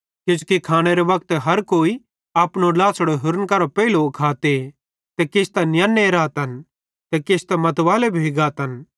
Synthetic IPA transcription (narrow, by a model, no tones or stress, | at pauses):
kɪd͡ʒukikʰaːɽ̃eɾeʋɐk̚t̪ɦɐɾkoːi | aːpñolaːsɽoɦʊɾənkɐɾopɐiloʊkʰaːt̪e | t̪ɛkeːst̪anjãːnːeɾaːt̪ɦɐn | t̪ɛkeːst̪ãmɐt̪ʋaːlebʱiiɡaːt̪ɦɐn